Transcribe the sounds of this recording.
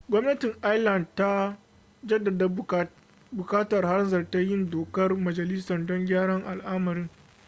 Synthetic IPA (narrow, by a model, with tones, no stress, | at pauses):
ɡʷɔ˦mnɐ˦tɪ˨ŋʔa˦jlɐ˨ndta˦ | d͡ʒɐ˦dːɐ˨d | bʊ˨kaː˦tɐ˨rha˦rzɐ˨rta˦jɪ˦ndoː˨kɐ˦rmɐ˨d͡ʒɐ˨lɪ˦sɐ˨ndɔ˦ŋɡʲaː˦ɽɐ˦ŋʔa˨lʔaː˦mɐ˨ɾɪ˦ŋ